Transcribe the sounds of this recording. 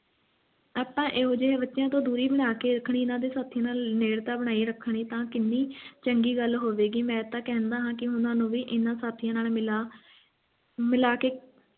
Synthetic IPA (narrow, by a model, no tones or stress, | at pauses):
aːpãːʔeːɦoːd͡ʒebətːʃjãːt̪õːd̪uːɾiːbəɽ̃aːkeːɾəkʰːɳiːɪnãːd̪eːsaːt̪ʰːijãːnaːlneːɽt̪aːbəɽ̃aːiːɾəkʰːɳ̃iːt̪ãːkɪnːiːt͡ʃəŋɡiːɡəlɦoːʋeːɡiːmɛ̃ːt̪ãːkɛ̃ɦnd̪aːɦãːkɪɦʊnãːnũːʋiːʔɪnãːsaːt̪ʰːɪjãːnaːlmɪlaː | mɪlaːkeː